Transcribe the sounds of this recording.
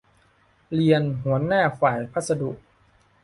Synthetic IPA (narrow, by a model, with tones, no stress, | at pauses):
li˧ənɦu˩˦ənaː˥˩faː˨˩jpʰa˦˥˩t̪sa˧du˨˩ʔ̚